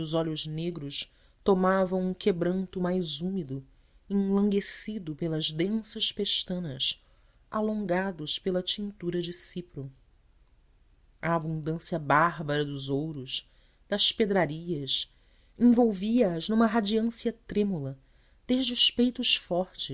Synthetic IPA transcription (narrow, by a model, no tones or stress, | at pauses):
ʊzɔʎʊʒneɡɾʊʃ | t̪omavɐ̃w̃ũŋkʰebɾɐ̃nt̪ʊmajzumid̪ʊ | ẽlɐ̃ŋɡesid̪ʊpelɐzd̪ẽsɐʃpeʃt̪ɐ̃nɐs | alõŋɡad̪ʊspelɐt͡ʃĩnt̪uɾɐd͡ʒɪsipɾu | ɐabũnd̪ɐ̃siɐbaɦbɐɾɐd̪ʊzowɾʊʃ | d̪̥ɐsped̪ɾaɾiɐs | ẽŋ̃vowviɐːznũmɐɦad͡ʒiɐ̃siɐt̪ɾemulɐ | d̪̥eʒd͡ʒɪʊʃpejt̪ʊʃfɔht͡ʃɪ